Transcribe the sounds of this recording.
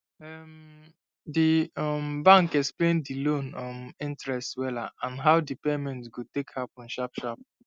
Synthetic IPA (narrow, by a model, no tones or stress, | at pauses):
ɛm | diɔmbãŋkɛksplẽndilõnɔ̃mĩntɹɛstwɛlaãnɦawdipemɛ̃ntɡotekhapɔ̃nʃapʃap̚